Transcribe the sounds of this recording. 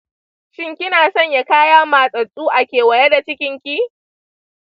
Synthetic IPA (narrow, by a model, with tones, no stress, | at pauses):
ʃɪ˦ŋkʲɪ˦naː˨sɔ˦˨ɲja˦kaː˦jaː˦maː˨sʼɐ˨ɗʼuː˦ʔa˨kʲeː˨wɐ˨jɛ˦da˨t͡ʃɪ˦kʲɪ˦ŋkʲiː˦